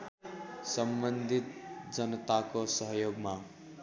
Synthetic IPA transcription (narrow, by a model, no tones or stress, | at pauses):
sʌmbʌnd̪ʱit̪̚d͡zʌnʌt̪akosʌɦjoɡma